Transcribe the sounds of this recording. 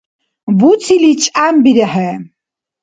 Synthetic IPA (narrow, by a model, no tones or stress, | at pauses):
but͡sʰilit͡ʃʼambiɾɛħɛ